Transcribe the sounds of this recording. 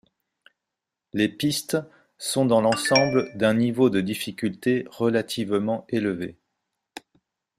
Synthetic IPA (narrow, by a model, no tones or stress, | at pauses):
lepist̪ | sɔ̃d̪ɑ̃lɑ̃sɑ̃bld̪ɛ̃nivod̪əd̪ifikʲylt̪eʁəlat̪ʰivmɑ̃eləvḛ